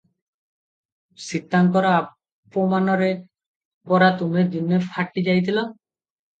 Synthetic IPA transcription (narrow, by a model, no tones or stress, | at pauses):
sit̪ːaŋkɔɾɔa | pɔmanɔɾe | pɔɾat̪umed̪inːefʰaʈːid͡ʒajt̪ʰilo